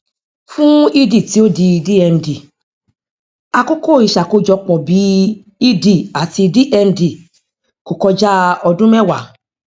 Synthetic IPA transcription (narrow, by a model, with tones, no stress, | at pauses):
fũ˦i˦di˨ti˨˦o˦di˧di˦ɛ˧n̩˨di˨ | a˧ko˦ko˦˨i˨ʃa˨ko˨˦d͡ʒɔ˧˦k͡pɔ˨bi˨˦ | i˦di˦˨a˨ti˧di˦ʔɛ˧n̩˨di˨ | ko˨kɔ˧d͡ʒa˦ɔ˧dũ˦mɛ̃˦˨wa˨